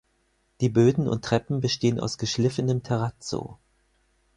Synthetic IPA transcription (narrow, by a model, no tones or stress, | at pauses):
d̥iːbøːdn̩ʊ̰ntʁ̥ɛpm̩bəʃteːənʔa̰ʊsɡ̥əʃlɪfənəmtʰɛʁat͡so̰ː